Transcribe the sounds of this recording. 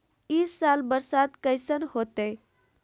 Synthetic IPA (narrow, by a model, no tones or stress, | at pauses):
isːaːlbəɾsat̪kəɪsənhoːt̪e